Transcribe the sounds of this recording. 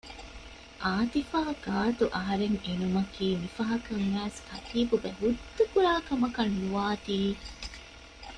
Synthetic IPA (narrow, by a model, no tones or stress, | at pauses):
ʔaːt̪ifaːɡ̥aːt̪uʔɐɦɐɾeŋenumɐkiːmifɐɦɐkɐŋʋæːskɐt̪iːbubeɦud̪ːukuɾaːkɐmɐkɐnːuʋaːt̪iː